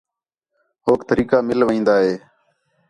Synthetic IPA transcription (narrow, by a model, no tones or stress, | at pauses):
ɦoːkt̪əɾiːkaːmɪlʋĩːnd̪aːɦeː